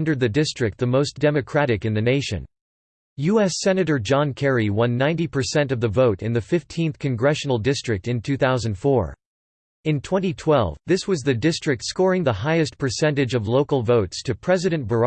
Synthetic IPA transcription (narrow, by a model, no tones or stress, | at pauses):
ndə˞d̪̚ðɨdɪstɹ̥ɨk̚t̪̚ðɨmoʊsd̥ɛmɨkʰɹ̥æɾɨkɨ̃nðɨneɪʃɨ̰̃n | jʉɛsɛnɨɾə˞d͡ʒɑ̃nkʰɛɹiwʌ̃nːãɪ̃ntipʰə˞sɛ̃ntʌvðɨvoʊɾɨ̃nðɨfɪftʰĩnθkʰɨ̃nɡɹɛʃn̩l̩ˠdɪstɹ̥ɨk̚tɨ̃ntʰʉθaʊzɨ̃n̩d̥fɔ̰ɹ | ɨ̃ntʰw̥ɛ̃ñitʰw̥ɛlˠvðɪswʌzðɨdɪstɹ̥ɨk̚tskɔɹɪ̃ŋðəɦaɪɨstpʰə˞sɛ̃ntɨd͡ʒʌvloʊkl̩ˠvoʊtstʰɨpʰɹ̥ɛzɨɾɨ̃nb̥ə˞